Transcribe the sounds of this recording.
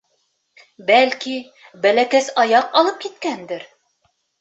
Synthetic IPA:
bælki | bælækæsɑjɑqɑlˠɤp̚kit̪kænd̪ɘɾ

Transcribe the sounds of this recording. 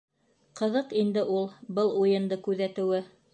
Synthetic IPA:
qɤ̆ðɤqind̪ɘʔulˠbɤlˠujɤ̆nd̪ɤkʉðæt̪ɘ̆wɘ

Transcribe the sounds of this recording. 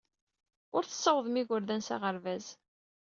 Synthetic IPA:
ʊɾθə̥sˤːəwəðˤmiʝʊɾðænsa̰ʁəɾvæz

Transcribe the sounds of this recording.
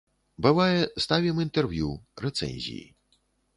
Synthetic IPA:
bɨvajɛst̪avʲimint̪ɛrvjuɾɛt̪sɛ̰nʲzʲḭjḭ

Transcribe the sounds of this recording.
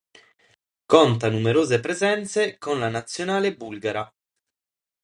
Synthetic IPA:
kont̪anumeɾoːzepɾezɛnt̪sekonlanat̪sːjonaːlebulɡaɾa

